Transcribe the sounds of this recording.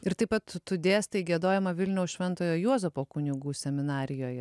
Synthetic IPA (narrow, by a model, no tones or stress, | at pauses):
ɪɾt̪ɐɪpɐt̪t̪ʊd̪ʲeːst̪ɐɪɡʲiɛd̪oːjɛmɐʋʲɪlʲnʲɛʊsʃʲʋʲɛnt̪oːjoːjuɔzʲɛpoːkʊnʲɪɡuːsʲɛmʲɪnɑːɾʲɪjoːjɛ